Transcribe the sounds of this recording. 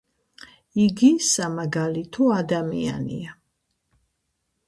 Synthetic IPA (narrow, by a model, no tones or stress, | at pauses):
iɡisamaɡalit̪ʰɔad̪amḭa̰nḭa